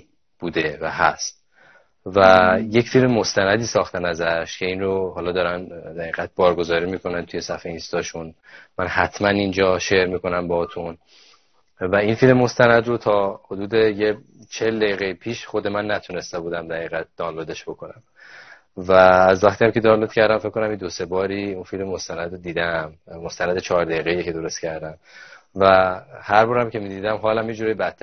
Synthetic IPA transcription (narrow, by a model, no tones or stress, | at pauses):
b̥uːd̪e̞væhæ̰st̪̚ | væje̞cfilmemo̞st̪ænæd̪iːsɒːxt̪enæzæʃcʰe̞inroɦɒːlɒːd̪ɒːɾænd̪æɣiːɣæt̪̚bɒːɾɡo̞zɒːɾiːmikʰo̞nænt̪ʰuje̞sæfeinst̪ɒːʃun | mænhæt̪ʰmænind͡ʒɒːʃeɾmiːko̞næmbɒt̪ʰun | væinfilmemo̞st̪ænæd̪rot̪ʰɒːho̞d̪uːd̪e̞je | t͡ʃʰe̞ld̪æjiːɣeipʰiːʃχo̞d̪emænːæt̪ʰune̞st̪ebuːd̪æmd̪æɣiːɣæt̪̚d̪̥ɒːnlo̞d̪e̞ʃb̥o̞kʰo̞næm | væːzvæxt̪ʰijæmcʰe̞d̪ɒːnlo̞d̪̥̚cʰæɾd̪æmfekʰːonæmjed̪o̞se̞bɒːɾiːunfilmemo̞st̪ænæd̪ɾod̪iːd̪æmmo̞st̪ænæd̪et͡ʃʰɒːɾd̪æiːɣejecʰed̪o̞ɾo̞st̪cʰæɾd̪æmvæhæɾbɒːɾæmcʰe̞miːd̪iːd̪æmɦɒːlæmjed͡ʒuːɾɒjibæt̪ʰːæ